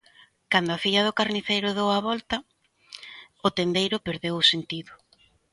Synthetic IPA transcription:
kand̪ʊaθiʎɐð̞ʊkaɾniθejɾʊðowaβɔlt̪ɐ | ʊt̪end̪ejɾʊpeɾðewʊsent̪iðʊ

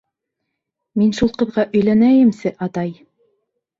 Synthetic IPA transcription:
minʃulˠqɤ̆ðʁɑʔɵ̆jlænæjɘ̆msɘʔɑt̪ɑj

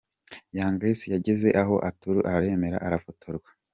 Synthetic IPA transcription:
jaːŋɡɾisijaɟeze̞ʔaɦo̞ʔatuɾuʔaɾaɾe̞me̞ɾa̰ʔaɾafotʰoɾɡwḁ

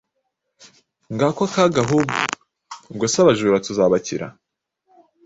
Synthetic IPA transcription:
ŋɡaːkakaɡaɦubṵ | bɡosaβaʒuːɾatuzaːβaciɾa̰

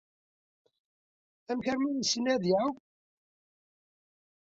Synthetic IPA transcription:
æmçəɾmænsinæðiʕaw

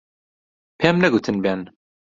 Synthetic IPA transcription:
pʰɛmnɛɡut̪ʰɨnbɛn

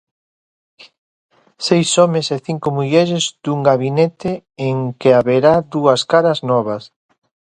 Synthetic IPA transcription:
sejsɔmeseθiŋkomuʎɛɾɪzd̪uŋɡaβinɛt̪ɪeŋkeaβeɾaðuɐskaɾɐznɔβ̞ɐs

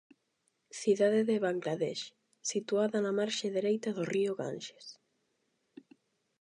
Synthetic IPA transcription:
θiðaðeðeβaŋɡlaðɛʃ | sit̪uaðanamaɾʃaðeɾejt̪aðoriʊɣa̰nʃe̥s

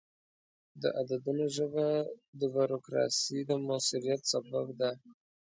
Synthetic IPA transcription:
d̪ə̰ʔad̪ad̪unoʒəvad̪əbuɾokɾɑ̰sid̪əmasuɾijat̪saba̰vd̪a

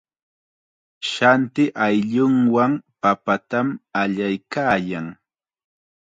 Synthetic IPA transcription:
ʃant̪ɪʔajʎʊŋwampapat̪amaʎajkaːjaŋ

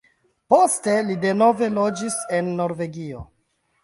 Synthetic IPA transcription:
po̞ste̞lide̞no̞ve̞lo̞d͡ʒise̞nːo̞ɾve̞ɡio̞̰

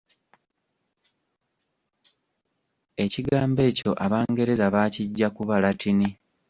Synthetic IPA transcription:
e̞ciɡaːmbe̞ːco̞ʔaβaːŋɡe̞ɾe̞zaβaːciɟːakuβalatini

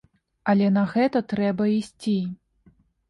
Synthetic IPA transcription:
ɐlʲɛnɐɣɛt̪ɐt̪ɾɛbɐisʲt͡sʲi

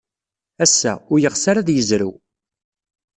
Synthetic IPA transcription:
æsːæ̰ʊɾjəʁsaɾaðjəzɾu

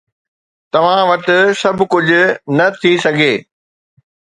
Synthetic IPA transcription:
t̪ɐʋ̤ãʋɐt̪ʊ̆sɐbʱʊkʊd͡ʑʱʊ̆nɐt̪ʰisɐɡʱeː

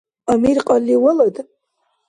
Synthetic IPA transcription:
amirqʼalːiwalatʼ

